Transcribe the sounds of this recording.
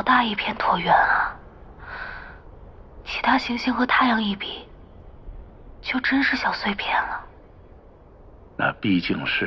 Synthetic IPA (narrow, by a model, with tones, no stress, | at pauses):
ʊt̪a˥˧i˥˩pʰjɛ˥˧nt̪ʰwɔ˧˥ɥɛ˧˩nlə˨˩ | t͡ɕʰi˧˥t̪ʰa˥ɕi˧˥ŋɕi˥ŋxt̪ʰa˥˩ɪjɑ˧˥˧ŋi˥˩pi˨˩ | t͡ɕjo˥˩ʊʈ͡ʂə˥nʂɻ̩˥˩ɕjɑ˨˩ʊswe˥˩ɪpʰjɛ˥˩nlə˩ | na̰˥˧pi˥˧t͡ɕi˥˩ŋʂɻ̩˥˧